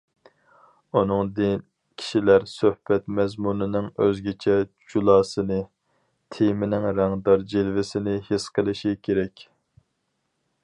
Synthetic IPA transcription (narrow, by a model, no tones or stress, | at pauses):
unɨŋd̪ɪn | kʲʰi̥ʃilæɾsøhbɛt̪mɛzmunɨnɨŋøzɡʲet͡ʃʰɛd͡ʒulˠɑːsɨnɨ | t̪ʰemɪnɪŋɾæŋd̪ɑɾd͡ʒelvɪsɪnɪhesqʰəlˠɪʃikʲʰeɾɛkʲ